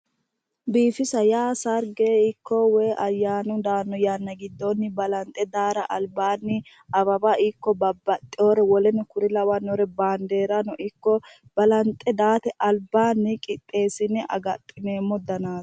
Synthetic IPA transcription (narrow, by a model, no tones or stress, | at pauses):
biːfɪsɐjaːsɐɾɡeɪkːɔwɛːʔɐjːaːnʊd̪aːnːɔjaːnːɐɡɪd̪ːɔnːɪbɐlɐnt̪ʼɛd̪aːɾɐʔɐlbaːnːɪ | ɐbɐbaɪkːɔbɐbːɐt̪ʼːɪoːɾɛwɔlɛnɛkʊɾɪlɐwanɔɾɛbaːnd̪e̞ːɾɐnɔʔɪkːɔ | b̥ɐlɐnt̪ʼːɛd̪aːt̪ɛʔɐlbaːnːɪkʼɪt̪ʼːe̞ːsɪnːɛʔɐ̰ɡɐt̪ʼːɪneːmːɔd̪ɐnaːt